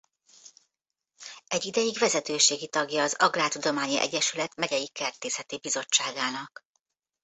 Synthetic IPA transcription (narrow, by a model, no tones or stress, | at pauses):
ɛɟːid̪ɛjiɡʋɛzɛt̪øːʃeːɡit̪ɒɡjɒːzɒɡraːt̪ud̪o̞maːɲiʔɛ̰ɟːɛʃylɛt̪mɛɟɛjikɛrt̪eːsɛt̪ibizo̞t͡ʃːaːɡaːnɒk